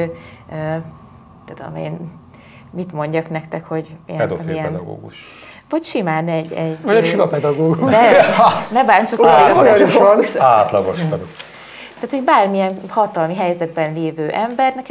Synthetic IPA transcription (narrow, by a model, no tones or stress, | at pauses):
ø | t̪ːud̪o̰mḛːn | mit̪mo̞ɲɟɒknɛkt̪ɛkho̞ɟiɛɛd̪o̰fḭiɛɛnd̪ɒ̰ɡo̰ːɡuʃ | vɒcʃimaːnɛɟːɛɟːɛinɒpɛd̪ɒɡoːɡnɛnɛbaːɲt͡ʃoookoɡuʃaːt̪lɒɡoʃtɛd̪o | t̪aːt̪hoɟbaːrmiɛnhɒt̪ɒlmiɦɛjzɛd̪bɛnleːvøːʔɛmbɛrnɛk